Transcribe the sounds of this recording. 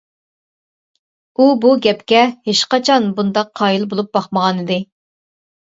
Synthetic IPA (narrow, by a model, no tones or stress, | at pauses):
ubuɡʲɛpkʲɛheʃqɑt͡ʃʰɑnbund̪ɑqʰːɑjilˠbolˠup̚bɑχməʁɑnɨd̪ɪ